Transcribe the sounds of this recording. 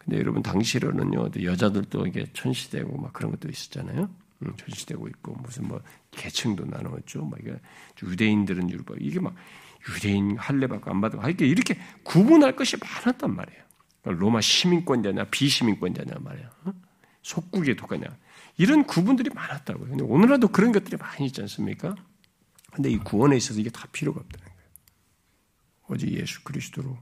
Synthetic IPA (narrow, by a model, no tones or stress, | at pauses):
kɯndejo̰ɾʌbuntaŋɕʰiɾo̰nɯ̰njo̰tojʌd͡ʑadɯɭt͈o̰iɡe̞̰t͡ɕʰʌnɕʰi̥de̞̰ɡomakɯɾʌnɡʌt͈ois͈ʌ̥t̚t͡ɕ͈anajo | t͡ɕʰʌnɕʰi̥d̥e̞̰ɡoit̚k͈o̰musʰɯnmwʌ | ke̞t͡ɕʰɯŋdona̰nɯɡʌt̚t͡ɕ͈omʌ̰iɡḛjude̞indɯɾɯnjuɭba̰iɡe̞mak̚jude̞inhaɭːe̞bak͈oa̰nbadaɡoaikːeiɾʌkʰe̞kubunɦaɭk͈ʌɕʰimanat̚t͈anma̰ɾe̞jo | k͈aɾomaɕʰimink͈wʌnd͡ʑaɲa̰piɕʰimink͈wʌnd͡ʑa̰ɲa̰nma̰ɾejo | sʰok̚k͈uɡetok͈ʰa̰ɲa̰ | iɾʌnkubundɯɾimanat̚t͈a̰ɡojokɯndeonɯɾadokɯɾʌnɡʌt͈̚ɯɾimaɲiiːt̚t͡ɕ͈ians͈ɯmɲḭk͈a | kɯnde̞ikuwʌne̞is͈ʌs̬ʰʌiɡe̞tḁpʰiɾjoɡap̚t͈anɯnɡ̥ʌjo | ʌd͡ʑḭje̞̰sʰu̥kɯɾisʰɯ̥dʰoɾo